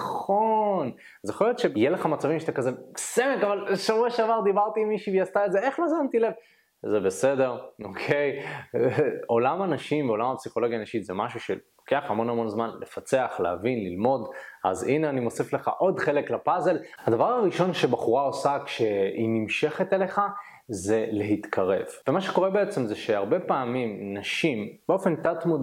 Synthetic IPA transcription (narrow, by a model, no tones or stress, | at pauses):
χo̞n | azjeχoljot̪ʃejeleχamat͡savimʃat̪akazesemekavalʃavueʃavaʁd̪ibaʁt̪iːmːiʃivejast̪aezeeχlazant̪ile̞v | zebese̞de̞ʁo̞kʰe̞j | o̞lamanaʃimveo̞lamapsiχo̞lo̞ɡjaːnaʃit̪zemaʃuʃe̞̰lloke̞aχamo̞namo̞nzmanle̞fat͡se̞aχleavinlilmo̞dʔa̰zineanimo̞sifle̞χa̰ʔo̞dχe̞le̞klapaze̞lhad̪avaʁaʁiʃo̞nʃe̞baχuʁao̞sakʃe̞inimʃe̞χet̪ele̞χa | ze̞le̞ɦit̪kʰaʁe̞̰vvemaʃeko̞ʁebe̞et͡se̞mzeʃe̞aʁbe̞paːmimnaʃimb̥eo̞fe̞nt̪at̪mud̪